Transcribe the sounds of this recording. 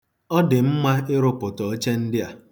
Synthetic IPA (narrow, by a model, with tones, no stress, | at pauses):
ɔ˦dɪ˨m̩˦ma˦ɪ˦ɾʊ˦pʊ˨tɔ˨˦t͡ʃe˦n̩˦dɪ˦a˨